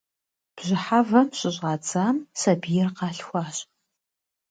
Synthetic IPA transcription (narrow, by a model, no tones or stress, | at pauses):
b̥ʑɪħavɐmɕɪɕʼʁɑːd͡zaːmsɐbijɛrqɑːɬxʷɑːɕ